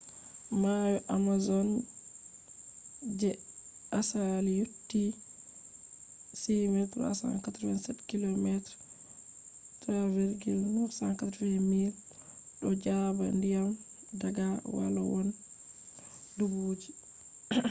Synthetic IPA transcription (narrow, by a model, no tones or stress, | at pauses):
majɔʔamazɔn | d͡ʒɛ | ʔasalijutːi | simɛt̪ɾa̰sa̰nkat̪ɾwɛnsɛtkilɔmɛtɾ | taviɾɡilnusankatɾfɛmiɾ | ɗɔd͡ʒaba̰ndijam | daɡawa̰la̰wɔn | dubod͡ʒi